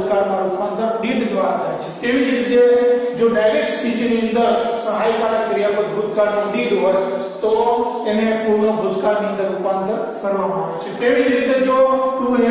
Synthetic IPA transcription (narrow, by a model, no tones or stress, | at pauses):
kaɾnaɾouppand̪ʰəɾɖiɖɡ̪ʋaɾat̪ʰa̰jt͡ʃʰe̥t̪eʋid͡ʒɾit̪ed͡ʒoɖajɾekʈsp̪id͡ʒiniə̃nd̪əɾsəɦajpanakəɾijapəɾbʱʊd̪ʱkaɾnũɖiɖ̪ɦoj | t̪oenepuɾnəbʱʊd̪kaɾnĩə̃nd̪əɾupand̪ʰənkəɾʋamaaʋet͡ʃʰet̪eʋid͡ʒɾit̪ed͡ʒot̪uɦe